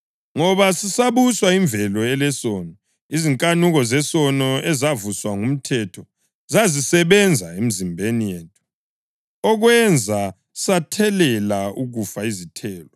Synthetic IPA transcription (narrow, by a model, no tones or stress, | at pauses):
ŋɔβasisaβuswaiɱbvʱɛlɔɛlɛsɔnɔ | iziŋkʼanuɣɔzɛsɔnɔɛzavuswaŋum̩tʰɛtʰɔ | zazisɛβɛnd͡zʱaem̩zimbʱenijeːtʼu | ɔɣwɛnd͡zʱa | satʰɛlɛlauɣufaizitʰɛːlɔ